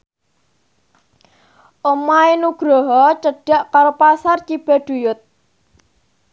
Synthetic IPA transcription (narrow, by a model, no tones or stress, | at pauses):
ʔomaenuɡ̥ɾɔɦɔt͡ʃəɖ̥a̤ʔkaɾopasart͡ʃib̥ɛ̤ɖ̥ujʊt̪̚